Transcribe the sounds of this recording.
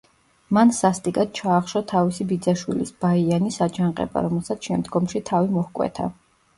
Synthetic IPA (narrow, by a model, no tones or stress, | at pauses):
mansast̪ʼikʼad̪̥̚t͡ʃʰaːχʃɔt̪ʰavisibid̪zaʃwilisb̥aianisad͡ʒʰanqʼɛ̰ba̰ɾɔmɛlˠsat̪sʰʃɛmd̪ɡɔmʃit̪ʰavimɔhkʼwɛ̰t̪ʰa̰